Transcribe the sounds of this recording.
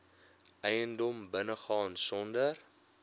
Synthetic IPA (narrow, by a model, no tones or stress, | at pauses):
ɛjəndɔmbənəχɑːnsɔndər